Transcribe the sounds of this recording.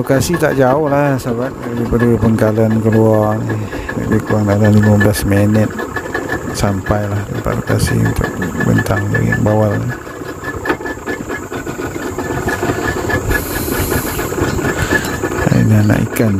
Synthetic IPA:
lokasit̪a̰ʔd͡ʒaʊhlahsəbak̚daɾipadipəŋkalankəluani | a̰bikuwaŋdalalimamblasmenət̪̚ | sampajlahdəpa̰ʔlokasḭṵnt̪ʊ̰k̚bə̰nt̪aŋdə̰ɡḭbawala | a̰ḭnana̰ʔḭkan

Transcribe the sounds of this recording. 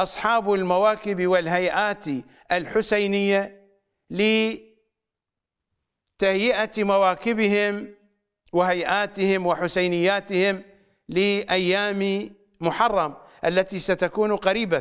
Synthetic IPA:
ʔɑsˤħɑːbɪlmawaːkɪbwɪlɦajʔaːt̪i | ʔalħʊsajnɪjːa | lɪ | t̪ahjɪʔamawaːkɪbɪɦɪm | wɪhajʔaːt̪ɪhɪmwɪħʊsajnɪjːaːt̪ɪhɪm | lɪʔajːaːmi | mʊħɑrˤːɑmʔalːat̪isat̪akuːnqaɾiːba

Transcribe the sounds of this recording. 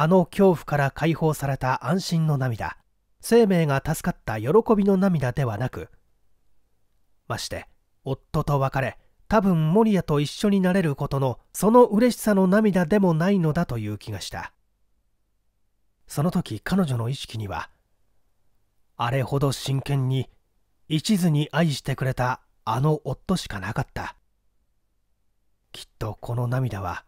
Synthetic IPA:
ano̞kʲo̞ːɸɯ̟̥kaɾakʰaiho̞ːsaɾe̞t̪aʔãɰ̃ɕĩnːo̞namʲid̪a̰ | se̞ːme̞ːɡat̪asɨ̥kat̪ːajo̞ɾo̞ko̞bʲino̞namʲid̪ad̪e̞βanakɯ̟̰ | maɕi̥t̪e̞̰ | o̞t̪ːo̞t̪o̞βakaɾe̞ | t̪abɯ̟̃mmːo̞ɾʲiat̪o̞iɕːo̞ɲ̟inaɾe̞ɾɯ̟ko̞t̪o̞no̞so̞no̞ʔɯ̟ɾe̞ɕi̥sano̞namʲid̪ad̪e̞mo̞naino̞d̪at̪o̞jɯ̟ːkʲiɡaɕi̥t̪a̰ | so̞no̞t̪o̞kʲikano̞ʑo̞no̞iɕi̥kʲiɲ̟iβa̰ | aɾe̞ho̞d̪o̞ɕĩŋkẽ̞ɲ̟ːi | it͡ɕizɨɲ̟iʔaiɕi̥t̪e̞kɯ̟ɾe̞t̪aː | no̞ʔot̪ːo̞ɕi̥kanakat̪ːa | kʲʰi̥t̪ːo̞kʰo̞no̞namʲid̪aβ̞a̰

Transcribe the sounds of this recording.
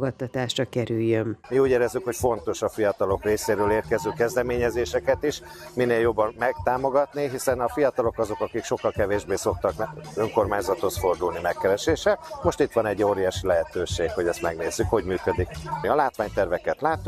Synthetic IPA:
ɡɒt̪ːɒt̪aːʃrɒkɛɾyjːømmiuːɟeːɾɛzːykho̞cfo̞nt̪o̞ʃɒfijɒt̪ɒlo̞kreːseːɾøːleːrkɛzøːkɛzd̪ɛmeːɲɛzeːʃɛkɛt̪iʃ | mineːljo̞bːɒnmɛk̚t̪aːmo̞ɡɒt̪niɦisɛnɒfijɒt̪ɒlo̞kɒzo̞kɒkikʃo̞kːɒlkɛveːʒbeːso̞k̚t̪ɒkøŋko̞rmaːɲzɒt̪hosfo̞rd̪uːlnimɛkːɛɾɛʃeːʃɛlmo̞ʃt̪it̪ʋɒnɛɟːoːɾijaːʃilɛɦɛt̪øːʃeːkho̞ɟɛst̪mɛɡneːzːykho̞ɟmyːkø̞d̪ikmiɒlaːt̪ʋaːɲt̪ɛrvɛkɛt̪laːt̪ːuk

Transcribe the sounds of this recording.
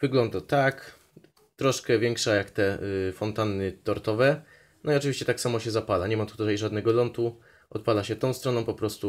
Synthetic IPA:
vɘɡlɔnd̪at̪ak | t̪ɾɔʂkɛvʲjɛŋkʂajakt̪ɛfɔnt̪anːɘt̪ɔɾt̪ɔvɛ | nɔiɔt͡ʂɨvʲiɕt͡ɕɛt̪aksamɔɕɛzapalaɲɛmat̪u̥t̪ut̪ajʐad̪nɛɡɔlɔnt̪u | ɔt̪̚palaɕɛt̪ɔ̃w̃st̪ɾɔnɔ̃pɔpɾɔst̪u

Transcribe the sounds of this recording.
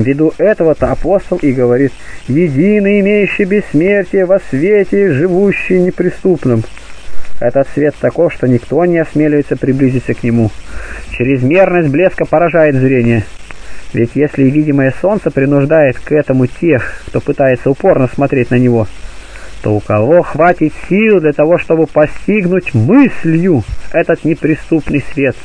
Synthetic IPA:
vʲɪd̪uʔɛt̪əvət̪əɐpo̞st̪əlˠiɡəvɐɾʲit̪jɪdʲinɨjɪmʲejʉɕːɪjbʲɪsːmʲertʲɪjəvɐsvʲetʲɪʐɨvuɕːɪjnʲɪpɾʲɪst̪upnɨm | ɛt̪ət̪svʲe̞t̪ːɐko̞fʂt̪o̞nʲɪkt̪o̞nʲɪɐsmʲelʲɪvɪt̪səpɾʲɪblʲizʲɪt̪ʲsʲəknʲɪmut͡ɕɪɾʲɪzmʲe̞rnəsʲt̚ʲblʲe̞skəpəɾɐʐajɪt̪zɾʲenʲɪjə | vʲɪtʲjesʲlʲɪvʲidʲɪməjəso̞nt̪səpɾʲɪnʊʐd̪ajɪt̪kɛt̪əmʊtʲʰexkt̪o̞pɨt̪ajɪt̪səʊpo̞rnəsmɐt̪ɾʲet̚ʲnənʲɪvo̞ | t̪o̞̰ʊkɐvo̞xvatʲɪt̪sʲilˠd̪lʲɐt̪ɐvo̞ʂt̪o̞bɨpɐsʲtʲiɡnʊtʲmɨsʲlʲjʊɛt̪ət̪nʲɪpɾʲɪst̪upnɨjsvʲe̞t̪

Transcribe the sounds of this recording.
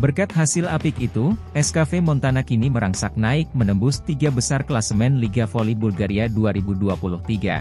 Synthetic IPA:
bərkat̪̚ɦasɪlapɪkit̪u | ɛskafemɔnt̪anakiniməɾaŋsak̚naɪk̚mənəmbʊst̪iɡabəsarklasəmɛnliɡafolibulɡaɾiaduaɾibuduapulʊht̪iɡa̰

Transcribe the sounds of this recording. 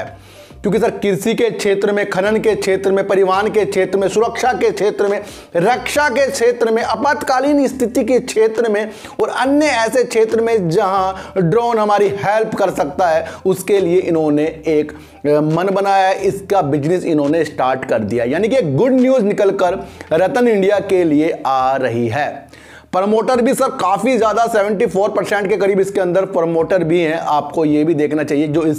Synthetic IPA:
kjõːkis̬ɐɾkɪɾsikekʃʰeːt̪ɾəmẽkʰɐnənkekʃʰeːt̪ɾəmẽpɐɾɪʋaːnkekʃʰeːt̪ɾəmẽsʊɾəkʃakekʃʰeːt̪ɾəmẽ | ɾəkʃakekʃʰeːt̪ɾəmẽʔɐpaːt̪kaːliːnɪst̪ʰɪt̪ikikʃʰeːt̪ɾəmẽ | ɔːɾɐnjəɛːsekʃʰeːt̪ɾəmẽd͡ʒɐɦãɖɾoːnɦɐmaːɾihɛːlpkɐɾsɐk̚t̪aɦɛʊskelieʔɪnɦõneeːk | mɐnbɐnaːjaɦɛʔɪskabɪd͡ʒnɪsɪnɦõːnesʈaːɾʈkɐɾd̪ijaɦɛjaːnikieːkɡʊɖnjuːznɪkəlkəɾɾɐt̪ənɪ̃ɳɖijakelieaːɾɐɦiɦɛː | pɾmoːʈəɾbʱisɐbkaːfizjaːd̪aseːʋə̃ɳʈipʰoːɾpɐɾsɛ̃ɳʈkekɐɾiːbɪskeɐ̃nd̪əɾpəɾmoːʈəɾbʱiɦɛ̃ʔaːp̚kojebʱid̪eːkʰnat͡ʃaːɦied͡ʒoːɪs

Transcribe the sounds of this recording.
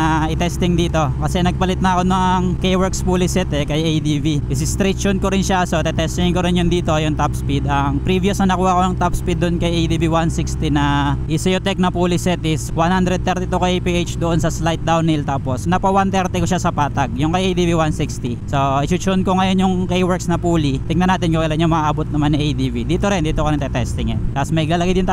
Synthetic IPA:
ɐɪt̪ɛst̪ɪŋd̪iːt̪o̞kɐsɛnɐɡ̚pɐlɪt̪̚nɐɐko̞nɐŋkejwɛɾkspuːlɪsɛt̪ɛkɐjejd̪iviʔɪsɪst̪ɾit͡ʃonkoɾɪnʃasot̪ɛt̪ɛst̪ɪŋɪŋkoɾɪnjʊnd̪iːt̪o̞jʊŋt̪apspid̪ɐŋpɾivijɐsnɐnɐkuːhɐʔkonɐŋt̪apspid̪ːonkɐjʔejd̪ibiwansikst̪inɐʔɪsɛjot̪ɛk̚nɐpuːlɪsɛt̪ɪswanhand̪ɾɛd̪̚ɛɾt̪it̪ukɐjʔejpiːʔejt͡ʃd̪oʔonsɐslajt̪̚d̪awnilt̪aːposnɐpɐwant̪ɛɾt̪ɛkoʃasɐpaːt̪ɐɡ̚jʊŋkɐjʔejd̪iːviwansikst̪isoʔɪt͡ʃʊʃonkoŋɐjo̞njʊŋkejwɛɹksnɐpuːlit̪ɪŋ̚nɐnaːt̪ɪnkokɐlanjʊŋmɐaʔabot̪nɐmanːɪʔejd̪ivid̪iːt̪oɾɪnd̪iːt̪okonɐŋt̪ɛt̪ɛst̪ɪŋɛnt̪ɐsmɐɡ̚lalɐɡɪd̪jʊnt̪

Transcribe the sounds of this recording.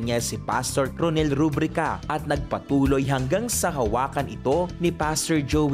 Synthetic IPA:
nasɪpast̪oɹɾonɛlɾubɾɪkɐ̰ʔɐt̪̚nɐɡ̚pɐt̪uːlojɦɐŋɡaŋsɐɦɐwaːkɐnɪt̪o̞nɪpast̪oɹd͡ʒow

